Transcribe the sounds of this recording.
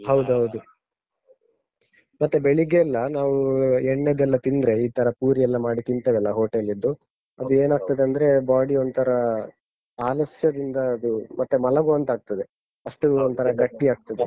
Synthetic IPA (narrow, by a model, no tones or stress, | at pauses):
hɐwd̪uɦɐwd̪u | mɐt̪ːebeɭiɡeːlːɐnaːʋueɳːed̪ɛlːɐt̪ind̪ɾe̞iːt̪ʰɐɾɐpuːɾijɛlːɐmaːɽit̪int̪ɐʋɛlːɐɦoːʈelid̪ːu | ɐd̪ueːnaːɡ̚t̪ɐd̪eɐnd̪ɐɾe̞baːɽiond̪t̪ʰɐɾɐ | aːlɐsjɐd̪ind̪ɐːd̪umɐt̪ːemɐlɐɡuɐnt̪aːɡ̚t̪ɐd̪e̞ | ɐʂʈuont̪ʰɐɾɐɡɐʈːiaːɡ̚t̪ɐd̪e